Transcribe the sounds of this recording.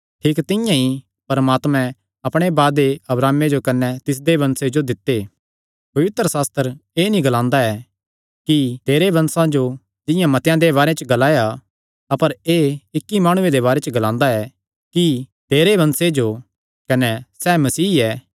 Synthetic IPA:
ʈʰiːkt̪ɪjãi | pɐɾmaːt̪mɛ̃ | ɐpɽ̃ebaːd̪eɐbɾaːmed͡ʒokɐnɛt̪ɪs̬d̪eβɐ̃nsed͡ʒod̪ɪt̪ːe | pɐʋɪt̪ɾəsaːst̪əɾeːnĩɡɐlãːnd̪aɛː | kit̪eːɾebɐ̃nsãd͡ʒo | d͡ʒɪ̃jãmɐt̪jãd̪eβaːɾet͡ʃəɡɐlaːja | ɐpəɾeːɪkːimaːɽ̃ʊ̃ed̪eβaːɾɛt͡ʃəɡɐlãːnd̪aɛ | kit̪eːɾebɐ̃nsed͡ʒo | kɐnɛsɛːmɐsiːɛː

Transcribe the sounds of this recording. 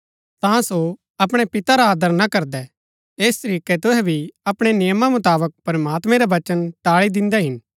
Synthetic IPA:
t̪ãso | ɐpɽ̃ɛpɪt̪aɾaaːd̪əɾnakɐɾd̪ɛ | eːst̪ɐɾiːkɛt̪ʊɦɛbʱiɐpɽ̃enɪjəmamʊt̪aːbək̚pɐɾɐmaːt̪mɛ̃ɾɛʋɐt͡ʃənʈaːɭid̪ɪ̃nd̪ɛɦɪn

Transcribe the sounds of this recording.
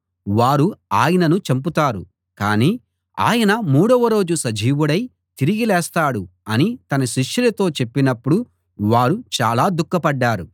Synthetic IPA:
ʋaːɾuaːjɐnɐnut͡ʃemput̪aːɾṵ | kaːniː | a̰ːjɐnɐmuːɽɔʋɐɾo̞ːd͡ʒusɐd͡ʒiːʋuɽɐj | t̪iɾiɡilɛːst̪aːɽuɐnit̪ɐnɐʃiʂːɐlɐt̪o̞ːt͡ʃe̞pːinɐpːuɽu | ʋaːɾut͡ʃaːlaːd̪ukːɐpɐɖːaːɾu

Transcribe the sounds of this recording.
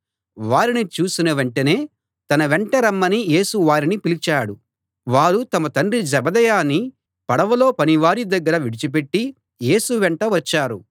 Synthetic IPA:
ʋaːɾinit͡ʃuːsinɐʋeɳʈɐne̞ː | t̪ɐnɐʋeɳʈɐɾɐmːɐnije̞ːsuʋaːɾinipilit͡ʃaːɽu | ʋaːɾut̪ɐmɐt̪ɐɳɖrid͡ʒɛbɐd̪ɐjaːnːi | pɐɽɐʋɐlo̞ːpɐniʋaːɾid̪ɐɡːɐɾɐʋiɽit͡ʃup̬e̞ʈːi | je̞ːsuʋɛɳʈɐʋɐt͡ʃːaːɾu

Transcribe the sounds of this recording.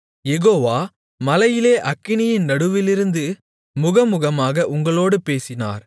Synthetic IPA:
jɛɣoːʋaː | mɐlɐjɪleːʔɐkːɪɳɪjɪnnɐɽɯʋɪlɪɾɯnd̪ɯ | mʊɣɐmʊɣɐmaːɣɐʔʊŋɡɐɭoːɽɯpeːsɪna̰ːɾ

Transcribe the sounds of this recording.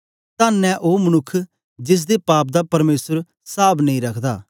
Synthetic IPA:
t̪aːnɛ̃ːʔoːmənʊkʰː | d͡ʒɪs̬d̪epaːp̬̚d̪apɐɾmeːsəɾ | saːbnəĩːɾɐkʰd̪aː

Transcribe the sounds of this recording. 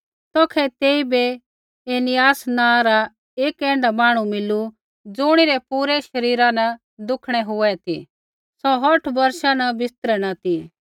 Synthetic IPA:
t̪ɔːkʰɛt̪eːibɛ | eːnɪjaːsnãːɾa | eːkɛ̃ːɳɖamaːɽ̃umɪlːu | d͡zʊɽ̃iɾɛpuːɾɛʃɐɾiːɾanɐ | d̪ʊkʰɽ̃ɛɦʊɛt̪ḭ | sɔɦɔʈʰbɐɾʃanɐbɪst̪ɾɛnɐt̪i

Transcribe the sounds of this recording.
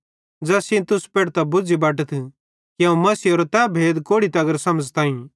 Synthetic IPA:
d͡zɐsĩt̪ʊspeːɽt̪ɐbʊd͡zibaːʈ̬ət̪ʰ | kiɐ̃ũmɐsiːoːɾot̪ɛbʱeːd̪koːɽit̪ɐɡəɾsɐməd͡zt̪ãːĩ

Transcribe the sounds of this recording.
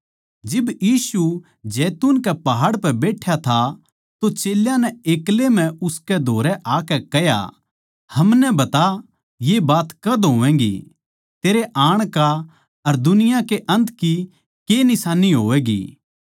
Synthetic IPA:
d͡ʒɪbjiːsu | d͡ʒɛːt̪uːnkɛpɐɦaːɽpɛbeːʈʰjat̪ʰa | t̪ot͡ʃeːljãnɛeːklem̤ɛ̃ʊskɛd̪ʱoːɾɛʔaːkɛkɛɦja̰ | hɐmnɛbɐt̪a | jebaːt̪kɐd̪ɦoːʋɛ̃ːɡḭ | t̪eːɾeʔaːɽ̃ka | ɐɾd̪ʊnɪjãkeʔɐ̃nt̪ki | kenɪsaːniɦoːʋɛːɡḭː

